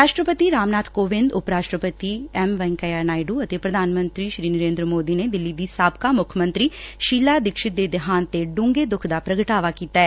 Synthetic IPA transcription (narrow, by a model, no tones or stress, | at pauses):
ɾaːʃʈɾəpət̪iːɾaːmnaːt̪koːʋɪ̃nd̪ʊpɾaːʃʈɾəpət̪iːɛːmʋɛ̃ŋkajaːnaːɪɖuːət̪eːpɾəd̪ʱaːnmə̃nt̪ɾiːʃɾiːnəɾẽːnd̪ɾəmoːd̪iːneːd̪ɪlːiːd̪iːsaːbkaːmʊkʰmə̃nt̪ɾiːʃiːlaːd̪ɪkʃɪt̪̚d̪eːd̪ɪɦaːnt̪eɖʊ̃ŋɡeːd̪ʊkʰd̪aːpɾəɡəʈaːʋaːkiːt̪aːɛː